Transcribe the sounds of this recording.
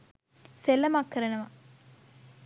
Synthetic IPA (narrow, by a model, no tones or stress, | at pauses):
selːɐmakːɐɾɐɳɐmɐ